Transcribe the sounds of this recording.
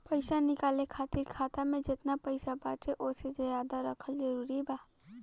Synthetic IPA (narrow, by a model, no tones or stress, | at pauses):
pəɪsanɪkaːlekʰaːt̪ɪɾkʰaːt̪amẽd͡ʒɪt̪napəɪsabaːt͡ʃeʔoːsed͡ʒəjaːd̪aɾəkʰəlzəɾuːɾibaː